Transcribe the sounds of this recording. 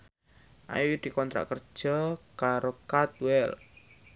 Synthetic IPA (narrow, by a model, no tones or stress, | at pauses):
ʔa̰juid̪̥i̤kɔnt̪ɾa̰ʔkər̥ʒ̥ɔkaɾokat̪̚wɛl